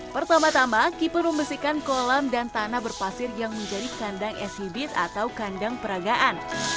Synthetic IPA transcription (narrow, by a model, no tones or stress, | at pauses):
pərt̪amat̪amakipʊrməmbəsihkankolamdant̪anabərpasɪrjaŋməɲd͡ʒadikandaŋʔɛsibɪt̪a̰t̪awkandaŋpəɾaɡaʔan